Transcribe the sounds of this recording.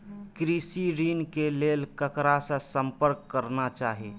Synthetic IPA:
kɾisiɾinkelelkəkɾasə̃səmpəɾkːəɾnat͡ʃaɦi

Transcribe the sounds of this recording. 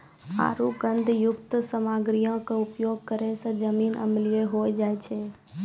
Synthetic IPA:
a̰ːɾuɡənd̪ʱjʊkt̪səmaːɡɾijõkẽʊpjoːɡ̚kəɾẽsə̃d͡ʒəmiːnə̰mlɪeɦoːjd͡ʒaːet͡ʃʰeː

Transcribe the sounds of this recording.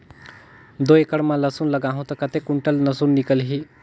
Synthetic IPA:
d̪oekəɽmãlɐsunləɡaːɦũt̪ɐkət̪ekuɳʈəlnɐsunːikəlɦiː

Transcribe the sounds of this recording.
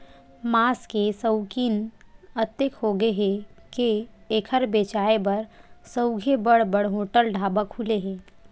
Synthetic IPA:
maːskesəwkiːnət̪ekɦoɡeɦekeːkʰəɾbet͡ʃaebəɾsəwɡʱebəɽbəɽɦoʈəlɖʱabəkhuleɦeː

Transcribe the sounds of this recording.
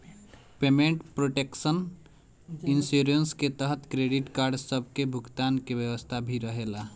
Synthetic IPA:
pemẽɳʈpɾoʈeksən | insuɾənsket̪əɦət̪kɾeɖiʈkaɾɖsəbʱkebʱʊkt̪ankebjəwəst̪ʰabʱiɾəɦela

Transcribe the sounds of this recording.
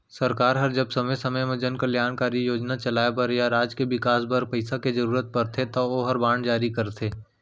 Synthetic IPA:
sɐɾkaːɾɦɐɾd͡ʒɐbsɐməjsɐməjmẽd͡ʒənkaljaːnkaːɾijoːd͡ʒnat͡ʃɐlaːepɐɾjaɾaːd͡ʒkeʋɪkaːsbɐɾpɐɪsaked͡ʒɐɾuːɾət̪̚pɐɾt̪ʰet̪oʋoɦɐɾbãːɳɖd͡ʒaːɾikɐɾt̪ʰeː

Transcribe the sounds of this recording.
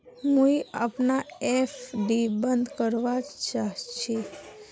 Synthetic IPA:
mũia̰pnaefɖibənd̪kəɾʋat͡ʃaɦt͡ʃʰi

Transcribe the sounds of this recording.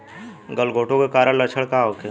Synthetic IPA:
ɡəlɡʱoːʈõkekaːɾəɽ̃lɐt͡ʃʰəɭkaɦoke

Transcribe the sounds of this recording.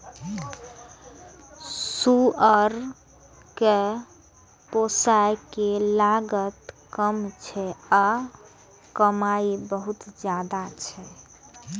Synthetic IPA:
suəɾ | ke | posajkelaɡət̪kəmt͡ʃʰɛa | kəmaibəɦut̪d͡ʒjad̪at͡ʃʰɛ

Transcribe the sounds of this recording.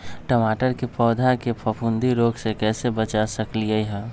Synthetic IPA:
ʈəmaːʈəɾkepɔːd̪ʱakepʰəpʰund̪iɾoːɡsekɛːsebət͡ʃasəkliəiɦɛ̃

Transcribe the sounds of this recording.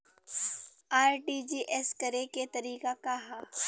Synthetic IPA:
aːɾʈid͡ʒiːʔɛskɐɾeket̪ɐɾiːkakaɦaː

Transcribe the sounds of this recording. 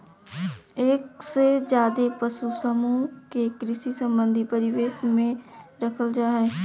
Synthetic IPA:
eːksezjaːd̪epəʃusəmuõkekɾɪʃisə̃mbə̃nd̪ʱipəɾɪʋeːʃmẽɾɐkʰəld͡ʒaːɦɛ̃ː

